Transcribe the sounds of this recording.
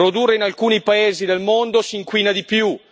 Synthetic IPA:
ɾod̪urːeinalkuːnipaeːzid̪elmond̪osiːŋkwiːnad̪ipju

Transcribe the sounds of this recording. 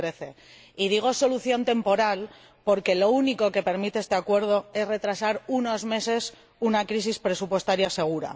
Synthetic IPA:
ɾe̞θe̞ | ið̞iɣ̞o̞so̞luθjo̞nt̪e̞mpo̞ɾal | po̞ɾke̞lo̞uniko̞ke̞pe̞ɾmit̪eest̪e̞akwe̞ɾð̞o̞e̞zre̞t̪ɾasaɾuno̞zme̞se̞s | unakɾis̬ispɾe̞supwe̞st̪aɾjase̞ɣ̞uɾa̰

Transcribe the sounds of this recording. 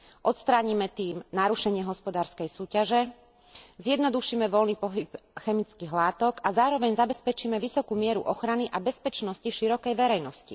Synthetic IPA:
ʔɔt̪st̪ɾaːɲimɛt̪iːmnaɾuʃɛɲɪɛɦɔspɔd̪aːɾskɛjsuːcaʒɛ | zjɛd̪nɔd̪uʃiːmɛʋɔlniːpɔɦipxɛmit͡skiːɦlaːt̪ɔkazaːɾɔʋɛɲzabɛspɛt͡ʃiːmɛʋisɔkuːmɪɛɾṵʔɔxɾaniʔabɛspɛt͡ʃnɔsciʃiɾɔkɛjʋɛɾɛjnɔscḭ

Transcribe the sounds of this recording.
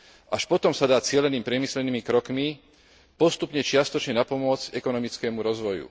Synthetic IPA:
ʔaʃpɔt̪ɔmsad̪aːt͡sɪɛlɛniːmpɾɪɛmislɛniːmikɾɔkmi | pɔst̪upɲɛt͡ʃɪast̪ɔt͡ʃɲɛnapɔmʊɔd͡zɛkɔnɔmit͡skɛːmuɾɔzʋɔjṵ

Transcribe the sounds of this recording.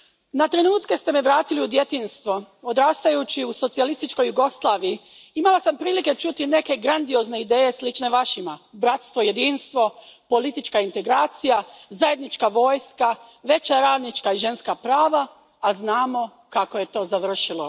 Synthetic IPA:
nat̪ɾe̞nuːt̪ke̞st̪e̞meʋɾaːt̪iliud̪jet̪iːnst̪ʋo̞od̪ɾaːst̪ajut͡ɕiuso̞t̪sialist̪it͡ʃko̞juɡo̞slˠaːʋiji | imalasampɾiːlike̞t͡ʃut̪ine̞ke̞ɡɾand̪io̞ːzne̞id̪e̞ːje̞slit͡ʃne̞ʋaʃimabɾat̪st̪ʋo̞je̞d̪iːnst̪ʋo̞po̞lit̪it͡ʃkaint̪e̞ɡɾaːt̪sijazaje̞d̪nit͡ʃkaʋo̞ːjska | ʋe̞t͡ɕaɾaːd̪nit͡ʃkaiʒe̞nskapɾaːʋaː | znaːmo̞ | kakoje̞t̪o̞ːzaʋr̩ʃilo̞̰

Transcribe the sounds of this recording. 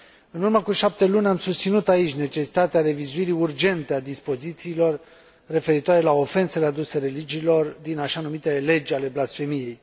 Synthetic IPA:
ɨnurməkuʃap̚t̪e̞lunʲamsust̪sinut̪ait͡ʃʲne̞t͡ʃe̞si̥t̪at̪eaɾe̞vizuiɾiurd͡ʒe̞nt̪ead̪ispo̞zit̪siːlo̞rː | e̞fe̞ɾit̪oaɾe̞lao̞fe̞nselead̪use̞ɾe̞lid͡ʒiːlo̞rd̪inaʃanumit̪ele̞d͡ʒʲale̞blasfe̞mije̞j

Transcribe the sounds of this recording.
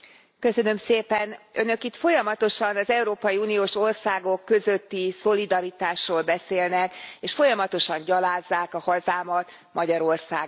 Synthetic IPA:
kø̞sø̞nø̞mseːpɛnønø̞kit̪fo̞jɒmɒt̪o̞ʃɒnɒzɛuɾoːpɒjiuːnioːʃo̞rsaːɡo̞kːø̞zøt̪ːiso̞lid̪ɒɾit̪aːʃroːlbɛseːlnɛkeːʃfo̞jɒmɒt̪o̞ʃɒɲɟɒlaːzːaːkɒhɒzaːmɒt̪ | mʔɒɟɒɾo̞rsaːɡ

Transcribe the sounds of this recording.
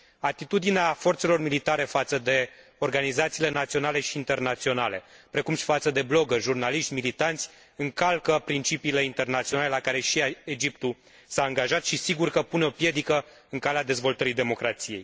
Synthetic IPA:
at̪it̪ud̪ineafo̞rt̪se̞lo̞rmilit̪aɾe̞fat̪səd̪e̞o̞rɡanizat̪siːlenat̪sio̞nale̞ʃiːnt̪e̞rnat̪sio̞nale̞pɾe̞kumʃi̥fat̪səd̪e̞blo̞ɡərʒurnaliʃt̪ʲmilit̪ant̪sʲ | ɨŋkalkəpɾint͡ʃipiːle̞int̪e̞rnat̪sionale̞lakaɾe̞ʃied͡ʒip̚t̪u | saːŋɡaʒat̪ʃisiɡurkəpuneo̞pje̞d̪ikə | ɨŋkalead̪e̞zvo̞lt̪əɾid̪e̞mo̞kɾat̪sije̞j

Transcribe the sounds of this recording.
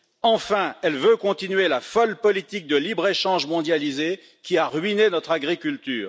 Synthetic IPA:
ɑ̃fɛ̃ɛlvøkɔ̃t̪inyɥelafɔlpɔlit̪ik̚d̪əlibʁeʃɑ̃ʒmɔ̃d̪jalize | kʲiaʁɥinenɔt̪χaɡʁikʲylt̪yːʁ

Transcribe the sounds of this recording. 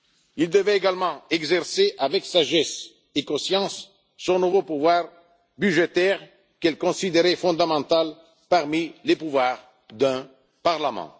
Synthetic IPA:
ild̪əvɛeɡalmɑ̃ɛɡzɛʁseʔavɛksaʒɛs | ekɔ̃sjɑ̃sː | ɔ̃nuvopuvwaʁ | byʒet̪ɛʁ | kɛlkɔ̃sid̪eʁɛfɔ̃d̪amɑ̃t̪al | paʁmilepuvwaʁ | d̪ɛ̃ | paʁlamɑ̰̃

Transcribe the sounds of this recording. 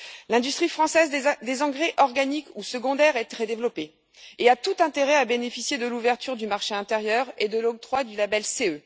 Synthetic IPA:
lɛ̃d̪yst̪χifχɑ̃sɛzd̪ezɑ̃ɡʁɛʔɔʁɡanikusəɡɔ̃d̪ɛʁɛt̪χɛd̪evlɔpe | eat̪ut̪ɛ̃t̪eʁɛabenefisjed̪əluvɛʁt̪yʁd̪ymaʁʃeɛ̃t̪eʁjœʁed̪əlɔɡ̚t̪χwad̪ylabɛlseø

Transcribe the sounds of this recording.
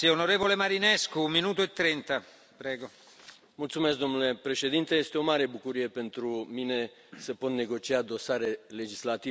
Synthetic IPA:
sionoɾeːvolemaɾineskumːinuːt̪oet̪ːɾent̪a | pɾɛːɡo | mult̪sumesk̚d̪o̞mnule̞pɾe̞ʃe̞d̪int̪eje̞st̪e̞o̞maɾe̞bukuɾije̞pe̞nt̪ɾumine̞ | səpo̞t̪ne̞ɡo̞t͡ʃiad̪o̞saɾe̞le̞d͡ʒislat̪i

